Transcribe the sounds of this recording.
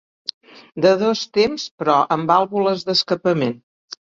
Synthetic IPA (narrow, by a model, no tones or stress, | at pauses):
d̪əðɔst̪emspɾɔʔəmbalˠβuləzðəskəpəmen